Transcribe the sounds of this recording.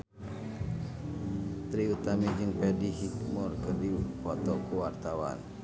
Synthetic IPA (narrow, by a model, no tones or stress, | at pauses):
t̪ɾiut̪amid͡ʒɨŋpɛdiɦikmɔrkərdifɔt̪ɔkuwart̪awa̰n